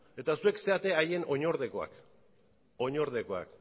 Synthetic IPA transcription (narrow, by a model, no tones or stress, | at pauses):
e̞t̪asue̞kse̞at̪e̞aje̞no̞ɲo̞ɾðe̞ko̞a̰k | o̞ɲo̞ɾð̞e̞ko̞a̰k